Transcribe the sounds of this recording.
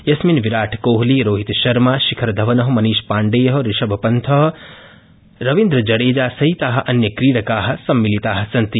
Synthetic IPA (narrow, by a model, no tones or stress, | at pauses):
jɐsminʋiɾaːʈʰkoːɦliɾoːɦit̪ʃɐɾmaːʃikʰɐɾd̪ʱɐʋɐnɐɦɐmɐniːʃpaːɳɖeːjɐɦɐ̆ɾiʃɐbʱɐpɐnt̪ʰɐɦ | ɾɐʋĩnd̪ɾɐd͡ʒɐɽeːd͡ʒaːsɐɦit̪aːɦɐ̆ʔɐnjɐkɾiːɾɐkaːɦɐ̆sɐmːilit̪aːɦɐ̆sɐnt̪i